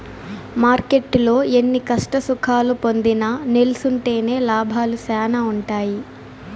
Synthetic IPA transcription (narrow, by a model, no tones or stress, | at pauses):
maːɾke̞ʈːlo̞ːe̞nːikɐʂʈɐsukʰaːlupo̞nd̪inɐnelusuɳʈe̞ːne̞ːlaːbʱaːlusaːnɐuɳʈaːji